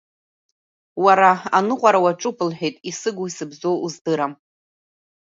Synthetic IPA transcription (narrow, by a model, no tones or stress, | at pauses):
waɾaanɨqʷʼaɾawaʈ͡ʂʼupʰɨlħʷᶣejtʼisɨɡʷuisɨbzo̞uzdɨɾam